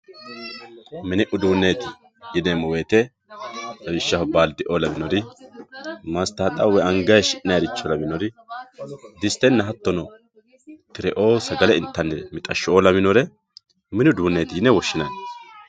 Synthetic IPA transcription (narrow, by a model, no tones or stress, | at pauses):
mɪnɪʔʊd̪uːnːeːt̪ɪ̥ | jɪnɛmɔweːt̪ɛ | dɐmɪʃːɐhɔbaːld̪ɪʔoːlɐmɪnɔɾɪ | mast̪aːt̪ʼɐwːɛɐŋɡɐjʃɪnɐjɐɾɪt͡ʃːɔlɐmɪnɔɾɪ | d̪ɪst̪ːɛnːɐɦɐt̪ːɔnɔ | t̪ɪɾɛʔoːsɐɡɐlɛɪnt̪ːɐnːɛmɪt̪ʼɐʃːoːlɐmɪnɔɾɛ | mɪnʊd̪uːnːeːt̪ɪjɪnɛwɔʃːɪnɐn